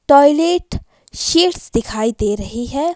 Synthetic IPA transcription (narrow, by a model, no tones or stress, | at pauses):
ʈɔːjleːʈ | ʃeːʈsd̪ɪkʰaːid̪eːɾɐɦiɦɛː